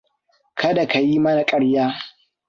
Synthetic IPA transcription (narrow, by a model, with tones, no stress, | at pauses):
kʰɐ˦da˨ka˨ji˦mɐ˦na˨kʼɐ˦ɽjaː˦